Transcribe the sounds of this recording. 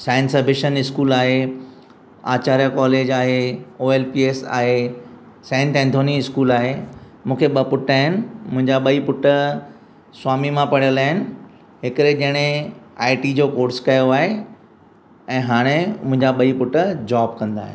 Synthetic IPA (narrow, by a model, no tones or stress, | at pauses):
sãːɪ̃nsɐbʱɪʃənɪskuːlaːɦe | a̰ːt͡ɕaːɾijakɔːleːd͡ʑaːɦeoːeːlpiːeːsa̰ːɦe | sɛ̃ːɳʈɛ̃ːnt̪ʰoːniɪskuːlaːɦe | mũːkʰeɓɐpʊʈaːɦɪnɪ̆mʊ̃ɦɪ̃ɲd͡ʑaɓɐipʊʈə | swaːmimãpɐɽijəlaːɦɪnɪ̆ | ɦɪkɾed͡ʑɐɦɪɽ̃ẽaːɪʈid͡ʑoːkoːɾskɐjoaːɦe | ɛ̃ːɦaːɽ̃emʊ̃ɦɪ̃ɲd͡ʑaɓɐipʊʈəd͡ʑaːb̚kɐ̃nd̪a̰ːɦɪ̰